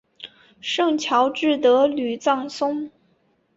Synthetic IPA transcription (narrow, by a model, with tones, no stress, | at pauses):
ʂɤ˥˩ŋt͡ɕʰjɑ˧˥ʊʈ͡ʂɻ̩˥˩t̪ɤ˧˥ly˨˩t͡sɑ˥˩ŋsʊ˥ŋ